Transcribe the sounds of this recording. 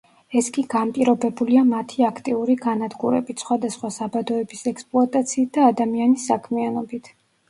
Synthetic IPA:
ɛskʼiɡ̥ampʼiɾɔbɛbuliamat̪ʰiakʰt̪ʼiuɾiɡanad̪ɡuɾɛ̰bit̪ʰsχwad̪asχwasabad̪ɔɛbisɛkspʼlˠɔat̪ʼat̪sʰiːt̪̚ʰd̪̥aːd̪amianisːakʰmianɔbit̪ʰ

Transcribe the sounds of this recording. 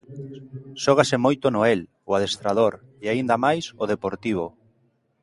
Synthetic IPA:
ʃɔɣ̞asemojt̪onoɛl | ʊaðest̪ɾaðoɾ | eaind̪amajsoðepoɾt̪iβ̞o

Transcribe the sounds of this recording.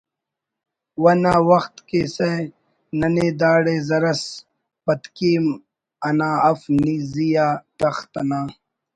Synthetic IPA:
wɐnaːwɐxt̪kese | nɐneːd̪aːɽeːzɐɾɐs | pɐt̪kiːm | ɐnaːɐfnizijaːt̪ɐxt̪ɐnaː

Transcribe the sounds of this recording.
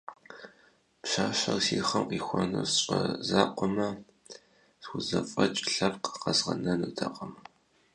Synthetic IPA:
pɕaːɕɐrsiːχɐmqiːxʷɔnusɕʷʼɐzaːqʷɔmɐ | sxʷʊzɐfʼɐt͡ʃʼɬɐrqə̥qɐzʁɐnɐnuːtʰaqʼɐmɐ

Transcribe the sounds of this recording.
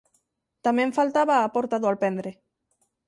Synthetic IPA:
t̪amẽɱfalt̪aβaːpoɾt̪aðoalpɛnd̪ɾe

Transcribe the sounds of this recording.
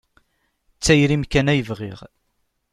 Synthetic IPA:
t͡sːæjɾimkænæjəvʁḭʁ

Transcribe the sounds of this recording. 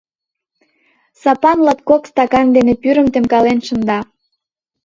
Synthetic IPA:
sɑpɑnlɑt̪̚kokst̪ɑkɑnd̪enepyɾə̆mt̪emkɑlenʃə̆nd̪ɑ

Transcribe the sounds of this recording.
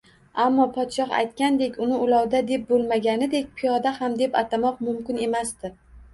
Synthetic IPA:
amːɒpʰɒt̪ʃɒha̰jt̪kʲand̪e̞kʲʊnɪʊlɒwd̪ad̪e̞p̚bolˠmaɡʲanɪd̪e̞kʲpʰijɒd̪ahamd̪e̞pat̪ʰamɒqmʊmkʲɪne̞masd̪ɪ

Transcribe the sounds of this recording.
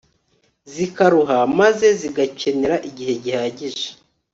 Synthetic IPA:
zikaɾuɦamaze̞ziɡace̞ne̞ɾaʔiɟiɦe̞ɟihaːɟiʒe̥

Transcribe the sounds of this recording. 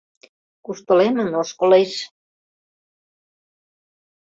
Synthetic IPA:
kuʃt̪ŏlemə̆noʃkolejʃ

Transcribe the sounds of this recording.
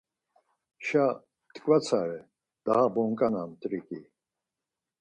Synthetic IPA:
ʃa | t̪kʼvat͡sʰaɾɛ | d̪̥ahabɔŋkʼanamt̪ʼɾikʼi

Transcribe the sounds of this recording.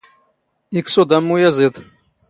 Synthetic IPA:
iksod̪ɐmːujazed̪

